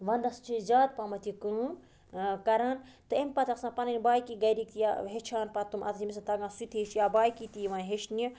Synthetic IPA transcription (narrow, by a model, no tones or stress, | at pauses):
ʋɐnd̪ɐst͡ʃʰizaːt̪̚pamɐt̪ʰikɨ | kɐɾaːn | t̪ɨempɐt̪ʰɐksãːpɐnɐnʲbaːjkiɡɐjɾik̚t̪ijaɦet͡ʃʰaːnpɐt̪umʔɐ̰t̪ʰimisat̪ɐɡãːsit̪ʰeʃjaːbaːjkit̪ijʋãːnɦeʃni